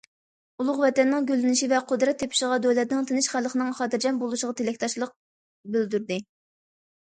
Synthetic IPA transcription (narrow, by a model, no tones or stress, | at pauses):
ulˠʊχvɛt̪ɛnːɪŋɡʲølːɪnɪʃivɛqʰod̪ɾɑt̪ʰːepʰɪ̥ʃɪʁɑd̪øwlɛt̪nɪŋt̪ʰenɪʃχælˠχənɨŋχɑːd̪ɨɾd͡ʒɑnbolˠuʃəʁɑt̪ʰelɛkʲt̪ʰɑʃlˠəq̚ | byld̪yɾd̪ɪ